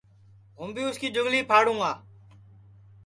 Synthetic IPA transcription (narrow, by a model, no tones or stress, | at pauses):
ɦʊmbĩːʊskiːd͡ʒʊɡliːpʰaːɽũːaː